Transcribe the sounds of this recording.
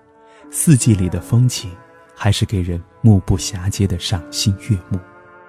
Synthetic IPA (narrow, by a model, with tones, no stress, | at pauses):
sɹ̩˥˧t͡ɕi˥˩li˨˩d̪ə˦fɤ˥ŋt͡ɕʰi˨˩n | xa˧˥ɪʂɻ̩˥˩ke˨˩ɪɻə˧˥n | mu˥˧pu˥˩ɕja˧˥t͡ɕjɛ˥d̪ə˨ʂɑ˨˩ŋɕi˥nɥɛ˥˧mu˥˩